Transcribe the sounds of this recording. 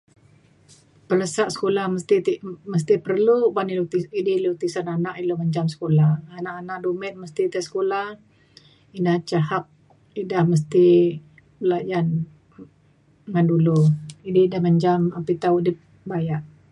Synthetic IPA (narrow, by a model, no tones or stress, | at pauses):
pələsaʔsə̥kolahməst̪it̪iməs̬t̪ipərlubanilot̪iidilot̪isananaʔiloməɲd͡ʒamsə̥kolahanaʔanaʔdomɛt̪̚məst̪it̪ɛsə̥kolah | inaht͡ʃaɦap̚ | idahməs̬t̪i | bəlajan | ŋanduluididahməɲd͡ʒamapit̪audi | bajaʔ